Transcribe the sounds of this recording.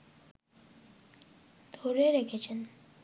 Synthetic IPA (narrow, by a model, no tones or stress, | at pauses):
d̪̥ʱoɾeɾekʰet͡ɕʰen